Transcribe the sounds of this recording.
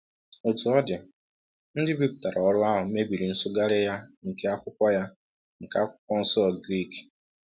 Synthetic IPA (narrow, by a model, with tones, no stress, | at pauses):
o˨tu˨ɔ˦dɪ˨ | n̩˦dɪ˦bi˦kʊ̥˨ta˨ɾʔa˨ɔ˦ɾʊ˦a˦ɦʊ˨˦me˦ɡ͡bʷi˨ɾi˨n̩˦sʊ˦ɡa˦ɾɪ˦ja˦ŋ̩˨ke˦a˦kʷʊ˦kʷɔ˦ja˦ | ŋ̩˨ka˦kʷʊ̥˦kʷɔ˦n̩˦sɔ˦˨ɡɾi˦˨k